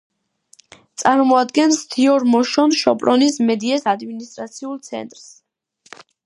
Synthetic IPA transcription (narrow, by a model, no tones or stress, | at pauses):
t̪sʼaɾmɔad̪ɡɛnst̪ʰiɔɾmɔʃɔnʃɔpʼɾɔnismɛd̪iɛsad̪minist̪ʼɾat̪sʰiulˠt̪sʰɛ̰nt̪ʼɾs